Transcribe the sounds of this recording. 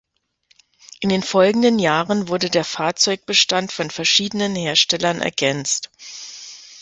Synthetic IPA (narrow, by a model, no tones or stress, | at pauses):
ʔɪndeːnfɔlɡŋ̩dənjaːʁənvʊɐdədeːɐfaːɐt͡sɔʏk̚b̥əʃtantfɔnfɛɐʃiːdənənheːɐʃtɛlɐnʔɛ̰ɐɡɛnt͡st